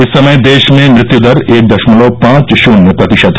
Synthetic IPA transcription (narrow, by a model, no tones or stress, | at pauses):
ɪsːɐməjd̪eːʃmẽmɾɪt̪jud̪əɾeːk̚d̪ɐʃmʊloːpãːt͡ʃʃunːəpɾɐt̪ɪʃəd̪